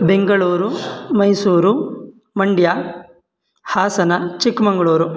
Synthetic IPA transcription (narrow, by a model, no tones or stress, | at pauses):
beŋɡɐɭuːɾumɐjsuːɾu | mɐɳɖja | haːsɐnɐt͡ʃikmɐŋɡɐɭuːɾu